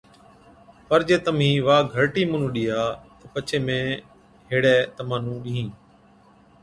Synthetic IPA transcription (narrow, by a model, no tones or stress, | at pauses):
pəɾd͡ʒeːt̪əmĩːʋaːɡʱəɾʈiːmʊnũːɗɪjaːt̪əpət͡ʃʰeːmẽː | ɦeːɽɛːt̪əmaːnũːɗiːɦĩː